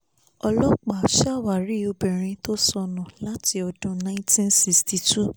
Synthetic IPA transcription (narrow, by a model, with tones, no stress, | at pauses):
ɔ˧lɔ˦k͡pa˨ʃa˦˨wa˨ɾi˨˦˨o˧bĩ˨ɾ̃ĩ˧to˦sɔ˧nã˨la˦ti˧ɔ˧dũ˦nã˧˦ĩ˦tĩ˦nsi˧sti˧tu˦˨